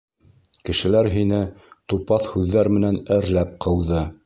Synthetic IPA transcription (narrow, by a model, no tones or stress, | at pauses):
kɘ̆ʃɘ̆læɾɦinɘt̪upɑθhʉðːæɾmɘ̆nænɘɾlæp̚qʰɤ̆wðɤ